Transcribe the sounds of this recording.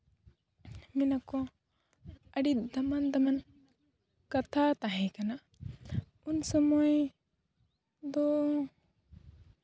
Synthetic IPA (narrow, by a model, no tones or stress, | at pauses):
minakɔ | əɖit̪̚d̪ɐmand̪aman | kat̪ʰat̪aɦɛ̃kana | unsɔmɔj | d̪ɔ